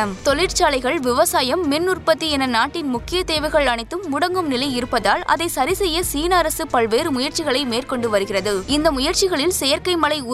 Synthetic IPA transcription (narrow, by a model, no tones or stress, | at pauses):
ɐmt̪ɔlɪɾt͡ʃaːlɐɪɣɐɭʋɪʋɐsaːjɐmːɪnːʊrpɐt̪ːiɛnɐnaːʈːɪnmʊkːɪjɐt̪eːʋɐɪɣɐɭɐɳɪt̪ːɯmːʊɽɐŋɡɯmnɪlɐɪɪɾɯpːɐðaːlʔɐ̰ðɐɪsɐɾɪsɛjːɐsiːnɐːɾɐsɯpɐɭʋeːɾɯmʊjɐɾt͡ʃɪɣɐɭɐɪmeːrkɔɳɖɯʋɐɾɯɣɪrɐðɯɪnd̪ɐmʊjɐɾt͡ʃɪɣɐɭɪlsɛjɐɾkɐɪmɐɭɐɪʊ